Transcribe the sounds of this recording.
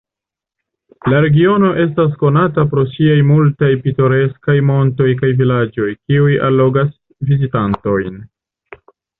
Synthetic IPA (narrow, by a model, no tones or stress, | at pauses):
laɾe̞ɡio̞no̞ʔe̞s̬tas̬ko̞natapɾo̞siajmultajpito̞ɾe̞skajmo̞nto̞jk̬ajvilad͡ʒo̞jkiujʔa̰lːo̞ɡas | vizitanto̞jn